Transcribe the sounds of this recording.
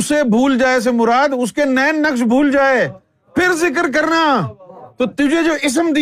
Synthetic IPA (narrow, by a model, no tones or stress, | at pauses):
ʊsebʱuːld͡ʒaːes̬emʊɾaːd̪ʊskenɛːnːəksbʱuːld͡ʒaːeː | pʰɪɾzɪk̬əɾk̬əɾnaːt̪ot̪ʊd͡ʒʱed͡ʒoːʔɪs̬əmd̪i